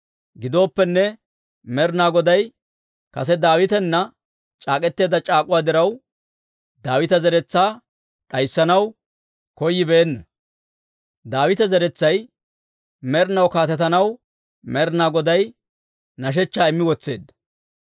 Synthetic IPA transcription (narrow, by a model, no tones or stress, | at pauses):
ɡɪd̪o̞ːpːɛnːɛ | mɛɾnaːɡɔd̪ɐj | kɐsɛd̪aːwɪt̪ɛnːɐ | t͡ʃʼaːkʼɛt̪ːe̞ːd̪ɐt͡ʃʼaːkʼʊwaːd̪ɪɾɐw | d̪aːwɪt̪ɐzɛɾɛt͡sːaː | ᶑɐjsːɐnɐw | kɔjːɪbeːnːɐ | d̪aːwɪt̪ɐzɛɾɛt͡sːɐj | mɛɾnɐwkaːt̪ɛt̪ɐnɐw | mɛɾnaːɡɔd̪ɐj | nɐʃ̬ɛt͡ʃːaːɪmːɪwɔt͡sːe̞ːd̪ːɐ̥